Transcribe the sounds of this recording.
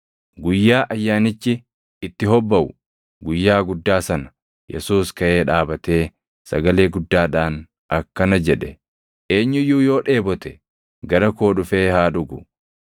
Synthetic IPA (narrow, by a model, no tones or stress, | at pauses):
ɡʊjːaːʔɐjːaːnɪt͡ʃːɪ | ɪt̪ːɪɦɔbːɐʔʊ | ɡʊjːaːɡʊd̪ːaːsɐnɐ̥ | jɛ̰suːskɐʔe̞ːᶑaːbɐt̪e̞ː | sɐ̰ɡɐle̞ːɡʊd̪ːaːᶑaːn | ɐkːɐnɐd͡ʒɛᶑɛ | ʔe̞ːɲːʊjuːjo̞ːᶑe̞ːbɔt̪ɛ | ɡɐɾɐko̞ːᶑʊfe̞ːhaːᶑʊɡʊ